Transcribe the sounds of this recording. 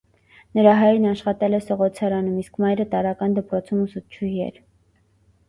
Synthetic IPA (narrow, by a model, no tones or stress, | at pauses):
nəɾɑɦɑjɾnɑʃχɑt̪ɛlɛsɔʁɔt͡sʰɑɾɑnumiskmɑjɾət̪ɑɾɑkɑnd̪əpɾɔt͡sʰumusut͡ʃʰuhiɛ̰ɾ